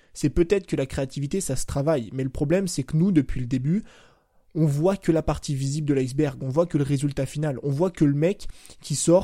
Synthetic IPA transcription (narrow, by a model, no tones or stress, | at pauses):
sɛpøt̪ɛt̪χə̥kəlakχeat̪ivit̪esasə̥t̪χavajmɛləpχɔblɛmsɛkənud̪əpɥiləd̪eby | ɔ̃vwakəlapaʁt̪ivizibld̪əlazbɛʁɡɔ̃vwakələʁezylt̪afinalɔ̃vwakələmɛkʲːisɔʁ